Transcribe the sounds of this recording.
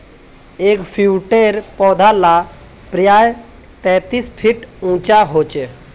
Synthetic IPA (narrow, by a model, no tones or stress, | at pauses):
eːkpʰiuʈeɾpɔːd̪ʱala | pɾjaːj | t̪ɛ̃ːt̪ispʰiʈũːt͡ʃaɦoːt͡ʃe